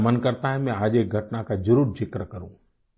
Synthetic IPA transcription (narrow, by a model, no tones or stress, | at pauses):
mənkəɾt̪aːɦẽmẽaːʄeɡʱɐʈnakʰãd͡ʒəɾuːɾd͡ʑɪkɾəkɐɾũː